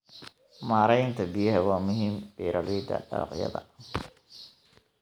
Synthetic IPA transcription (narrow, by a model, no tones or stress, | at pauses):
maːɾɛjnt̪ʰɐbɪjɐɦɛwɑːmʊɦiːmbiːɾɐliːd̪ɐ̰ɖɑ̰ɾɑ̰qjɐ̰ðɐ̰